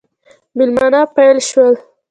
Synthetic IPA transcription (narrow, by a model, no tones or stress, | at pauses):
mɪlmɑnapajlʃwəl